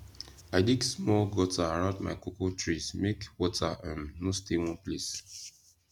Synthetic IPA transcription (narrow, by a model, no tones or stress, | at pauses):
aɪdiɡsmɔlɡɔtaaɹãʊdma̰kukotɹismekwɔtʰaʔãnnõstewɔ̃nples